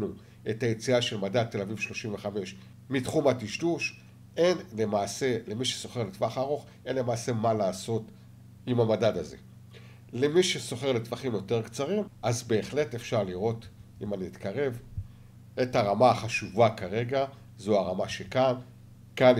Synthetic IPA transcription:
nu | e̞tajet͡siaʃe̞lmadad̚t̪ːe̞lavivʃlo̞ʃimve̞χame̞ʃ | mitχumatiʃduʃ | e̞nlemaːse̞lemiʃeso̞χeletvaχaʁo̞χ | e̞nle̞maːse̞malaːso̞t | imamadadaze̞̰ | lemiʃeso̞χe̞ʁletvaχimjo̞te̞ʁkt͡saʁimʔazbe̞ːχle̞tefʃaʁliʁo̞timaniitkaʁe̞v | etaʁamaaχaʃuvakaʁe̞ɡa | zoaʁamaʃe̞kan | kan

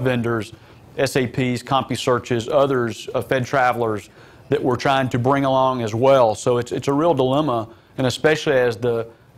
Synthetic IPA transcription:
vɛ̃ndə˞z | ɛseɪpʰiz̥kʰɑ̃mpisɜ˞t͡ʃɪzʌðə˞zfɛd̚tʰɹ̥ævl̩ˠə˞z | ðɨʔwʔə˞tʰɹ̥aɪɪ̃ŋtʰɨbɹɪ̃ŋəlɔ̃ŋɨzwɛlˠsoʊɨtsɨtsəɹilˠdəlɛmə | ɨ̃nɨspɛʃl̩ˠiɨzðə

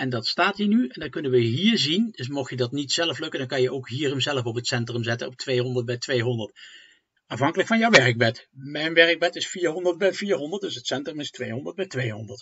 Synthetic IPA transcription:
ʔɛndɑtstaːtɦiːɹnyɛndɑkɵnənʋəɦiːɹzind̥ɵs̬mɔxjədɑtnitsɛləflɵkəndɑnkɑnjəʔowkɦiːrəmzɛləfɔpɦətsɛntrəmzɛtənɔp̚tʋejɦɔndəɹt̚bɛjtʋejɦɔndəɹt | ɑfɦɑŋkələkfɑnjəwʋɛrək̚bɛtmɛjnʋɛrəɡ̚bɛtɪsfiːɹɦɔndəɹt̚bɛjviːɹɦɔndətdɵsɦətsɛntrəmɪstʋejɦɔndəɹt̚bɛjtʋejɦɔndəɹt

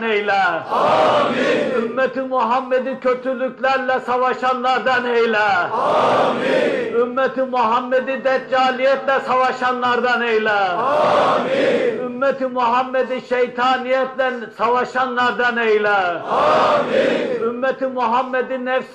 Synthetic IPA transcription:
nejlɛ | ymːɛt̪ʰimuɦamːɛd̪ikʰøt̪ʰylyklæɾlɛsɑvɑʃɑnlˠɑɾd̪ɑnejlæ | ymːɛt̪imuɦamːɛd̪id̪ɛt̪̚d͡ʒaːlijɛt̪lɛsɑvɑʃɑnlˠɑɾd̪ɑnejlæ | ymːɛt̪ʰimuɦamːɛd̪iʃejt̪ʰɑːnijɛt̪lɛsɑvɑʃɑnlˠɑɾd̪ɑnejlæ | ymːɛt̪imuɦamːɛd̪inɛfs

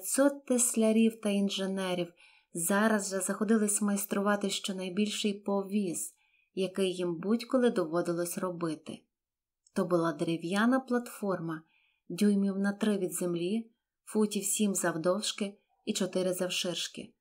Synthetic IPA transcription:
sɔt̪ːesʲlʲɐɾʲiwt̪ɐinʒenɛɾʲiw | zɑɾɐzʒɛzɐxɔd̪ɪlˠɪsʲmɐjst̪ɾʊʋɑt̪ɪʃt͡ʃɔnɐjbʲilʲʃɪjpɔʋʲiz̥ | jɐkɪjːimbutʲkɔlˠɪd̪ɔʋɔd̪ɪlˠɔsʲrɔbɪt̪ɪ̰ | t̪ɔbʊlˠɑd̪ɾɪʋʲjɑnɐplˠɐt̪fɔrmɐ | dʲujmʲiwnɐt̪ɾɪʋʲid̪zemlʲi | futʲiwsʲimzɐwd̪ɔwʃkɪ | it͡ʃɔt̪ɪɾɪzɐwʃɪrʃkɪ̰

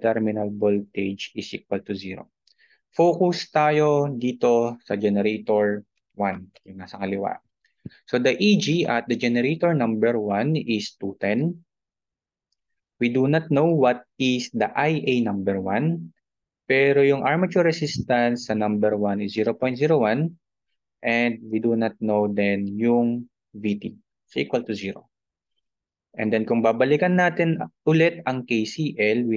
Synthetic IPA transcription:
t̪ɛɹmɪnɐlbolt̪ed͡ʒɪsik̚wɐlt̪ʊziɾo̰ | fokʊst̪aːjo̞d̪iːt̪o̞sɐd͡ʒɛnɛɾet̪oɹ | wanjʊŋnaːsɐkɐlɪwa̰ʔ | so̞d̪ɐʔid͡ʒiʔɐt̪̚d̪ɐd͡ʒɛnɛɾet̪oɹnɐ̃mbɛɹwanɪst̪ut̪ɛn | wid̪unɐt̪̚nowwɐt̪̚ɪsd̪ɐʔajʔejnɐ̃mbɛɹwãn | pɛɾojʊŋʔaɹmɐt͡ʃuɹɐsist̪ɐnsːɐnɐ̃mbɛɹwanɪsziːɾopoj̃t̪ziːɾowan | ʔɛnd̪̚wid̪unɐt̪̚nowd̪ɛnjʊŋ | vit̪i | sɐʔikwɐlt̪ʊziːɾo̰ | ʔɛ̰̃nd̪ɛnkʊŋbabɐlikɐnːaːt̪ɛnʔʊlɛt̪̚ɐŋkejsiʔɛlwi

